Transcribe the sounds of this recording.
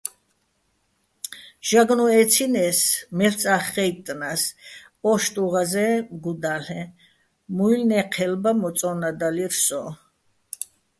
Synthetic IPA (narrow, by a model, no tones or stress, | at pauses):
ʒ̥aɡnɔɛt̪t͡sʰinɛsmɛlsʼaχːɛjt̪ʼnaspʼɔʃt̪ʼuʁazɛmɡud̪aɬɛ | mujlnɛqʰɛlbamɔt̪sʼɔnad̪aliɾsɔ